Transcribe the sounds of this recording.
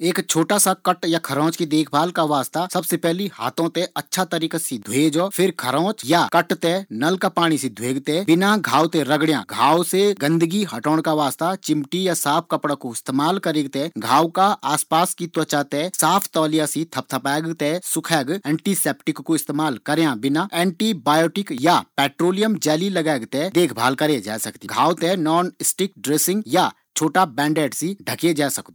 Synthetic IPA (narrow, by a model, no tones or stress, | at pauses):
eːkt͡ʃʰoːʈasakəʈjakʰɐɾɔ̃ːt͡ʃkid̪eːkʰbʱaːlkaʋaːst̪asɐbsepɛɦliha̰ːt̪ʰõt̪ẽɐtːʃʰat̪əɾiːkasid̪ʱweːd͡ʒɔːpʰɪɾkʰɐɾɔ̃ːt͡ʃjakəʈt̪ɛnɐlkapaːɽ̃ised̪ʱweːɡt̪ɛbɪnaɡʱaːwt̪eɾɐɡɽjã̰ːɡʱaːwseɡə̃nd̪əɡiɦɐʈoːɽ̃kaʋaːst̪at͡ʃɪmʈijasaːpʰkɐpɽakoɪst̪eːmaːlkɐɾeːɡt̪ɛɡʱaːwkaʔaːspaːskit̪wət͡ʃat̪esaːpʰt̪ɔːlijasit̪ʰɐp̚t̪ʰəpɛːɡt̪esʊkʰɛːɡɛ̃ːɳʈiseːp̚ʈɪkːoɪst̪eːmaːlkəɾjãbɪnaɛ̃ːɳʈibaːjoːʈɪkjapɛːʈɾoːlijəmd͡ʒɛːlilɐɡɛːɡt̪ed̪eːkʰbʱaːlkəɾed͡ʒa̰ːsɐkt̪iɡʱaːwt̪enɔːnɪsʈɪkɖɾeːsɪ̃ŋɡja | t͡ʃʰoːʈabɛ̃ːɳɖeːɖsiɖʱəked͡ʒaːsəkt̪ː